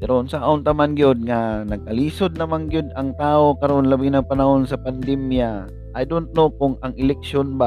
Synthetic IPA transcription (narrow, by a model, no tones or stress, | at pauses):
pɛɾoʔnsaʔaʔʊnt̪ɐmanɡjod̪̚ŋanɐɡ̚kɐliːsod̪̚nɐmaŋɡjod̪ɐŋt̪aːʔo̞kɐɾonlɐbɪnɐŋpɐnɐho̞nsɐpand̪ɛmja | ʔɐjd̪ʊnnokʊŋɐŋɪlɛk̚ʃjonba